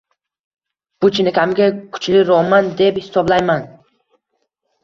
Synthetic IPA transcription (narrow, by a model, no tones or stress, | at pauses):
b̥ʊt͡ʃʰɪnɪkʲʰamɡʲakʰʊ̥t͡ʃʰlɪɾɒmand̪e̞phɪsɒblajman